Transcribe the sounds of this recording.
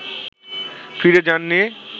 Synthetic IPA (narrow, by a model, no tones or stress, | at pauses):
fiɾed͡ʑanːe